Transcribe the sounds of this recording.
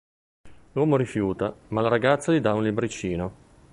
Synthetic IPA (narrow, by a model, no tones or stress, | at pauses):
lwɔːmoɾifjuːt̪amalaɾaɡat̪sːalid̪aunlibɾit͡ʃːiːno